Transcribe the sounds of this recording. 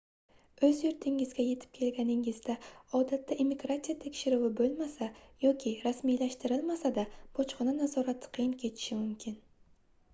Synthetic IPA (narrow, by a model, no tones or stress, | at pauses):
ɵzjʊɾt̪ʰɪŋɪzɡʲaje̞t̪ʰɪ̥p̚kʲʰe̞lɡʲanɪŋɪzd̪aɒd̪at̪ʰːaʔemiɡɾat̪sijat̪ʰe̞kʲʃɪɾʊwɪbolˠmasajɒkʲʰɪɾasmijlaʃt̪ɪɾɪlmasad̪ab̥ɒt͡ʃqɨnanazɒɾat̪ʰːɪ̥qʰɨjɪnkʲʰe̞t̪ʰɪ̥ʃɪmʊmkʲʰɪn